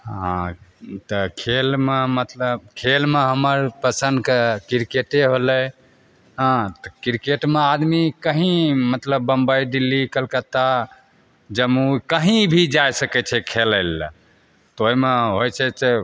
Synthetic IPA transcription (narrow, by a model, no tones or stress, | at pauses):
ɦɦãt̪əkʰelmemət̪ləb̚kʰelmeɦəməɾpəsə̃nd̪kekiɾkeʈeɦolɛ | ɦãt̪ɔkiɾkeʈmead̪mikəɦĩmət̪ləbːəmbəjɖilːikəlkət̪a | d͡ʒəmukəɦĩbʱid͡ʒajsəkɛt͡ʃʰɛkʰelɛl | t̪oimeɦojt͡ʃʰɛse